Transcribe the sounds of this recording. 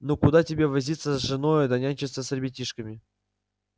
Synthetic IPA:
nokʊd̪atʲɪbʲevɐzʲit̪səzʐɨnojəd̪ɐnʲanʲt͡ɕɪsəsərʲbʲɪtʲiʂkəmʲɪ

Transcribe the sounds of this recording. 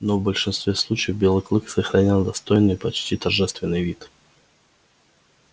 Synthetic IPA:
novbəlʲʂɨnst̪vʲeslˠut͡ɕɪjəvbʲelˠɨklˠɨksəxɾɐnʲalˠd̪ɐst̪o̞jnːɨpɐt͡ɕtʲit̪ɐrʐɛst̪vʲɪnːɨjvʲit̪

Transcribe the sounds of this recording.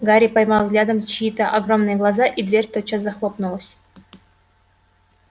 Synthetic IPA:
ɡaɾʲipajmɑlˠvɡlʲad̪əmt͡ɕːt̪əʔaɡromnɨjəɡlˠɑzɑʔid̪vʲerʲt̪ot͡ɕəzaxlˠopnulˠə̆sʲ

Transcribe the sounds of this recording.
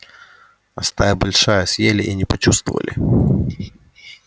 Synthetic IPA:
ɐst̪ajəbɐlʲʂajəsʲjelʲɪʔinʲɪpɐt͡ɕust̪və̰və̰lʲɪ̰

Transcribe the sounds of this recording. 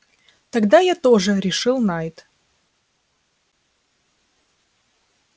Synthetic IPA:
t̪ɐɡd̪ajat̪oʐɨɾʲɪʂɨlˠnajt̪

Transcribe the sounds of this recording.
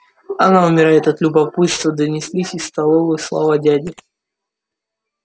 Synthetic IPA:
ɐnaʊmʲɪɾajɪt̪ɐt̪lʲʊbɐpɨt̪st̪vəd̪ənʲɪsʲlʲisʲɪst̪ɐlˠovɨslˠa̰vadʲædʲɪ

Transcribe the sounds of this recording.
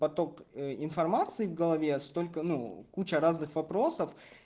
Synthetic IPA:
pɐt̪o̞kɪnfɐrmat̪sɨɪvɡəlˠɐvʲest̪o̞lʲkənukut͡ɕəɾaznɨxvɐpɾo̞səf

